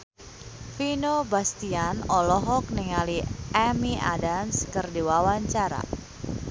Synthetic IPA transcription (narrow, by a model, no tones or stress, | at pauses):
finobast̪ianɔlɔɦɔk̚niŋaliʔɛmia̰danskərdiwawaɲt͡ʃaɾa̰